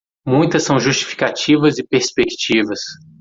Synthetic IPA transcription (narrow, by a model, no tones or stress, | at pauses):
mũj̃t̪ɐsːɐ̃w̃ʒust͡ʃi̥fi̥kat͡ʃivɐzɪpeɾspekt͡ʃivɐs